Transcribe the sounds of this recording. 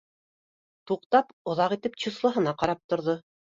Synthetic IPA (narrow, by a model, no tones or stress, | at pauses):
t̪uqt̪ɑpŏðɑqit̪ɘp̚t͡ɕŭslˠɤ̆ɦɤ̆nɑqɑɾɑp̚t̪ŏɾðo